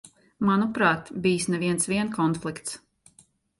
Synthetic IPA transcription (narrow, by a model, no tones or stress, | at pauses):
manupɾaːt̪bijsnɛviɛnsviɛnkʰɔnflˠikt̪s